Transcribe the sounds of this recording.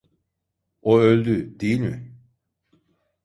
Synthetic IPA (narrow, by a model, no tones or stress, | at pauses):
oølʲd̪yd̪ejilʲmɪ